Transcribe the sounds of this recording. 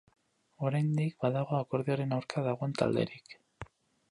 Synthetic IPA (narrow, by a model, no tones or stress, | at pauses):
o̞ɾajnd̪ikbaðaɣ̞o̞ako̞ɾðioɾe̞nawɾkaðaɣo̞e̞nt̪a̰ld̪e̞̰ɾik